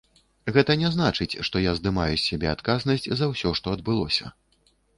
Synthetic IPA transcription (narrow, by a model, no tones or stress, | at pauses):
ɣɛt̪ɐnʲɛzn̪at͡ʂɨt͡sʲʂt̪ɔjazd̪ɨmajusʲːabʲɛ̰at̪kaznɐsʲt͡sʲzɐwsʲɔʂt̪ɔɐd̪̚bɨlˠɔsʲɐ̰